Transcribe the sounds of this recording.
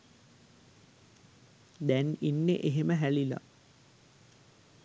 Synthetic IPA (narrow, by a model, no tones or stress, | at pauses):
d̪æninːḛʔeɦeməɦælila̰